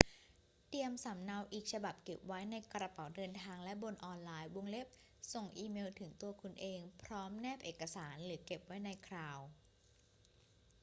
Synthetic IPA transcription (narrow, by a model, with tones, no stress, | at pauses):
t̪i˧əmsa˩˦mna˧wʔiː˨˩k̚t͡ɕʰa˧ba˨˩p̚ke˨˩p̚wa˦˥jna˧jkɾa˧pa˩˦wdɤː˧nt̪ʰaː˧ŋlɛ˦˥bo˧nʔɔː˧nlaː˧jwo˧ŋle˦˥p̚ | so˨˩ŋʔiː˧meː˧wt̪ʰɯ˩˦ŋt̪u˧ɐkʰu˧nʔeː˧ŋpʰɾɔː˦˥mnɛː˥˩p̚ʔeː˨˩kːa˧saː˩˦nlɯː˩˦ke˨˩p̚wa˦˥jna˧jkʰɾaː˧w